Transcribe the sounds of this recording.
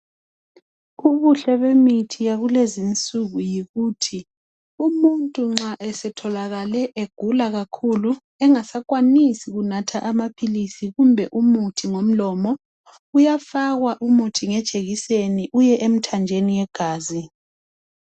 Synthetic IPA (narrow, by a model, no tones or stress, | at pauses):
uβuɬɛβemitʰijaɣulezint͡sʼuɣujiɣuːtʰi | umuntʼuŋ͡ǁaʔɛsɛtʰɔlaɣalɛʔeɡ̥ʱulaɣakʰulu | ɛŋasakʼwanisiɣunatʰaʔamapʰilisiɣumbʱɛʔumutʰiŋom̩lɔːmɔ | ujafaɣwaʔumutʰiŋɛd̥ʒ̥ʱeɣiseniʔujɛʔem̩tʰand͡ʒʱenijɛɡ̥ʱaːzi